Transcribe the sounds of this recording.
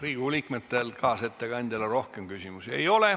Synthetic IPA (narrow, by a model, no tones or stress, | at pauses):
riːɡ̥ulʲiːkmet̪ːelkɑːse̞t̪ːeɡ̥ɑnʲd̪̥ʲɑlɑɾo̞hkemkysimusiejo̞le̞